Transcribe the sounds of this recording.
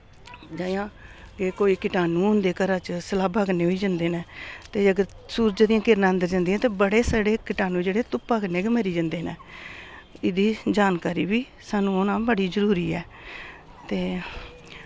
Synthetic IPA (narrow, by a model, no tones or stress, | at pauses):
d͡ʒaːjãː | kekoːiːkɪʈaːnũːʊ̃nd̪eːkəɾãːt͡ʃsəlaːbʱaːɡneːɦoiːd͡ʒãːnd̪eːnẽːt̪eːəɡəɾ | suːɾd͡ʒd̪ijãːkɪɾnãːənd̪əɾd͡ʒãnd̪iːãːt̪eːbəɽeːsəɽeːkɪʈaːnũːd͡ʒeːɽeːt̪ʊpːaːkəneːkeməɾiːd͡ʒãːnd̪eːneː | ɪd̪iːd͡ʒaːnkaːɾiːʋiː | saːnũːonãːbəɽiːzəɾuːɾiːɛː | t̪eː